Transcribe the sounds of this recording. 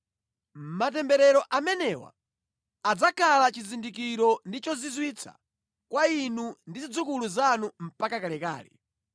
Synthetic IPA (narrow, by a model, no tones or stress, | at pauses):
m̩matɛmbɛɾɛɾɔʔamɛnɛwa̰ | ad͡zakʰalat͡ʃizindikiɾɔndit͡ʃɔzizwit͡sʰa̰ | kwainundizid͡zukuluzanum̩pakakalɛka̰ːlɛ̰